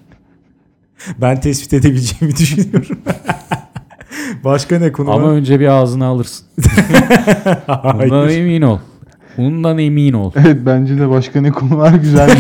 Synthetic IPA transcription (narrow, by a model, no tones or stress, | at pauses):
bænt̪ʰɛsvi̥t̪ʰe̞d̪e̞bilʲd͡ʒeːimid̪yʃynyjoɾum | baʃkanɛkʰonua̰maø̞nd͡ʒɛbiaːzɯnɯːlˠɯɾsɯ̥n | d̪aemiːnolˠ | bunund̪anemiːno̞̰lˠevɛt̪̚bænd͡ʒɛd̪ɛbaʃkʰanɛkʰonulˠaɾɟyzælʲ